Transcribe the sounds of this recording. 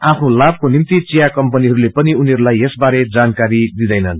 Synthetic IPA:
apʰnolab̚konimt̪it͡sijakʌmpʌniɦʌɾulepʌniunʌɾulajesbaɾed͡zankaɾid̪id̪ʌjnʌn

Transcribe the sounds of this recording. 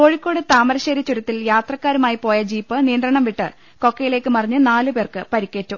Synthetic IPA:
o̞ːɻikʲːo̞ːɽɨt̪aːmɐɾɐɕeːɾɐt͡ɕːuɾɐt̪ːiljaːt̪rɐkːaːɾumaːjipo̞ːjɐd͡ʑiːpːɨniːnd̪rɐɳɐmʋiʈːɨ | ko̞kːɐjile̞ːkːɨmɐrɐɲːɨnaːlɨpe̞ːrkɨpɐɾikʲːe̞ːtːu

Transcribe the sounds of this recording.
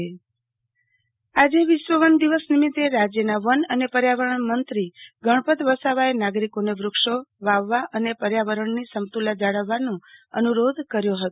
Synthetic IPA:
e | ad͡ʒeʋɪʃʋəʋənd̪iʋəsnimɪt̪ːeɾad͡ʒjənaʋənənepəɾjaʋəɾəɳmənt̪ɾiɡʱəɳ̃pət̪ʋəsaʋaenaɡɾikoneʋɾʊkʂoʋaʋːaʔənepəɾjaʋəɾəɳnisəmt̪ulad͡ʒaɽəʋːanũə̰nuɾod̪kəɾjoɦət̪o

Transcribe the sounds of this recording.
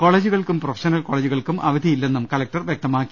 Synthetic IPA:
ko̞ːɭeːd͡ʑuɣɐɭkumprofe̥ʂɐnɐlko̞ːɭeːd͡ʑuɣɐɭkumʔɐ̰ʋɐd̪ʱijilːe̞nːumkɐlɐk̚ʈɐrʋjek̚t̪ɐmaːkːi

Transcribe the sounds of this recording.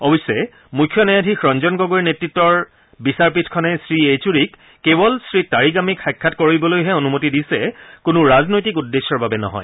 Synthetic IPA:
ɔbisːɛ | mujkʰːjɔnɛjadʱixɹɔnd͡ʒɔnɡɔɡoɹinetɹitːɔɹ | bisaɹp̬itʰkʰɔnɛsɹiet͡ʃuɹikː | ebɔlsɹitaɹiɡamikxajkʰːatkoɹibɔlojɦɛonumotidisɛkunuɹaznojtik̬udːesɔɹbabɛnɔ̰ɦɔ̰j

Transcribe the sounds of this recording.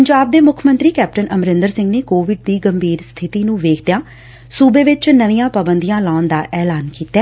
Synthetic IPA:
əɲd͡ʒaːb̚d̪eːmʊkʰmə̃nt̪ɾiːkɛːp̚ʈənʔəmɾɪ̃nd̪əɾsɪ̃ŋɡneːkoːʋɪɖ̚d̪iːɡəmbʱiːɾst̪ʰɪt̪iːnũːʋeːkʰd̪ejãː | suːbeːʋɪt͡ʃnəʋijãːpaːbənd̪ijãːlaːʊnd̪aːʔɛːlaːnkiːt̪ːɛː

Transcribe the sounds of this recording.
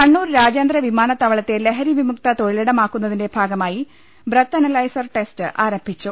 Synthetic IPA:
kɐɳːuːɾɾaːd͡ʑeːnd̪rɐʋimaːnɐt̪ːɐʋɐɭɐt̪ːe̞leɦɐɾiʋimuk̚t̪ɐt̪o̞ɻileɽɐmaːkːunːɐðinde̞bʱaːɡɐmaːji | brɐt̪ːɐnɐlɐjsɐrʈe̞stɨʔaːɾɐmbʱit͡ɕːu

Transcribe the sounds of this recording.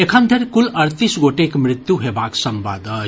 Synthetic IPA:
ekʰənd̪ʱeɾkulʌɾt̪isɡoʈekmɾit̪juɦebaksʌmba̰d̪ʱʌ

